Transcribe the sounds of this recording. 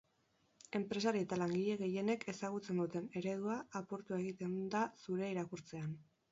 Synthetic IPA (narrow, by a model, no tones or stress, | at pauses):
e̞mpɾe̞s̬aɾiet̪alaŋɡiʎe̞ɣe̞je̞ne̞kʰe̞saɣ̞ut͡se̞nd̪ut̪e̞ne̞ɾe̞ð̞uaːpo̞ɾt̪ue̞ɣit̪e̞nd̪asuɾe̞iɾakuɾt͡se̞an